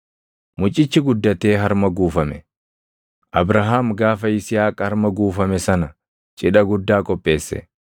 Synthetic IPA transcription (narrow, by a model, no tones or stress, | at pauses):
mʊt͡ʃʼːɪt͡ʃːɪɡʊd̪ːɐt̪eːɦɐɾmɐɡuːfɐmɛ | ʔɐbɾɐɦaːmɡaːfɐɪsɪjaːkʼhɐɾmɐɡuːfɐmɛsɐnɐ | t͡ʃʼɪᶑɐɡʊd̪ːaːkʼɔpʼːe̞ːsːɛ̰